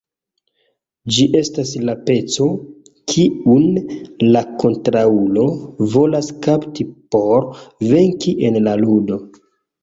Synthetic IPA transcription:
d͡ʒiʔe̞staslape̞t͡so̞ | kʰiunlako̞ntɾaulo̞vo̞laskaptipo̞ɾve̞ŋkiʔenlaludo̞

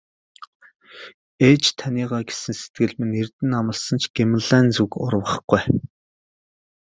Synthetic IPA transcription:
eːt͡ɕt̪ʰaniːʁaːɡe̥sɘ̆nset̪̚ɡɘ̆ɮmɘ̆nert̪ɘ̆namə̆ɮsə̆nt͡ɕʰɡ̥emə̆ɮæːnt͡sukʊ̰rwə̆χɡ̥uj

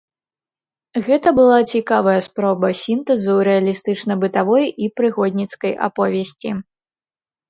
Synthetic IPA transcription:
ɣɛt̪ɐbɨlˠat͡sʲikavɐjɐspɾɔbɐsʲint̪ɛzɨwɾɛɐlʲist̪ɨt͡ʂnɐbɨt̪avɔjipɾɨxɔd̪ʲnʲit̪skɐjʔa̰pɔvʲesʲt͡sʲi

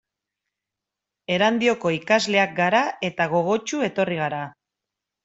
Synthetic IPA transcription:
e̞ɾand̪io̞ko̞ikazle̞ak̚ɡaɾae̞t̪aɣ̞o̞ɣ̞o̞t͡ʃue̞t̪o̞riɣ̞aɾa

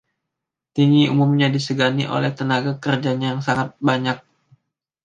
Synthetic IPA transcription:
t̪iŋiumumɲadisəɡanḭʔo̰lɛht̪ənaɡakərd͡ʒaɲajaŋsaŋat̪̚baɲak̚

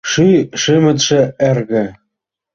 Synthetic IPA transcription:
ʃyʃɘmɘ̆t̪ʃĕærɣɘ̆

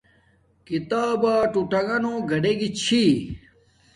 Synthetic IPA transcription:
kit̪aːbaːʈuʈɐɡɐnoːɡʱɐɖeɡit͡ɕʰi

